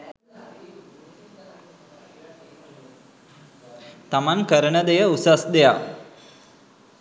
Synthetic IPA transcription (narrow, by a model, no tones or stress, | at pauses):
t̪amankəɾəɳəd̪ejəusasd̪eja